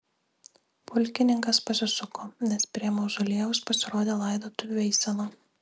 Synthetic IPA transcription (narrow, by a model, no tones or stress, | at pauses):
pʊlʲkʲɪnʲɪŋkɐspɐsʲɪsʊkoːnʲɛspʲɾʲiɛmoːʒolʲeɛʋʊspɐsʲɪɾoːd̪ʲeːlˠɐɪd̪oːt̪ʊʋʲɛɪsʲɛnˠu